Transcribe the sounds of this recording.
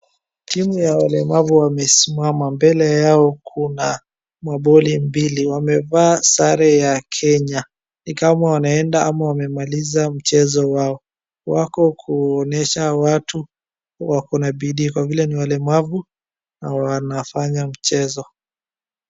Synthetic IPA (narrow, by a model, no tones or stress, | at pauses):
timujawalɛmavuwamɛsimamambɛlɛjaɔkʰuna | maɓɔlimbiliwamɛvaːsaɾɛjakʰɛɲa | nikamawanaɛndaamawamɛmalizam̩t͡ʃɛzɔwaɔ | wakɔkʰuɔnɛʃawatu | wakɔnaɓiɗiːkwavilɛniwalɛmavu | nawanafaɲam̩t͡ʃɛzɔ